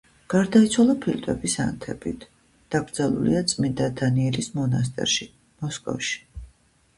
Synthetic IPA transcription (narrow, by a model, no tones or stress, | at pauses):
ɡ̥aɾd̪ait̪sʰwalˠapʰilt̪ʼwɛbisa̰nt̪ʰɛbḭt̪ʰ | d̪̥aɡɾd̪zalˠṵlḭat̪sʼmind̪ad̪aniɛlismɔnas̬t̪ʼɛ̰ɾʃi | mɔskʼɔ̰fʃi̥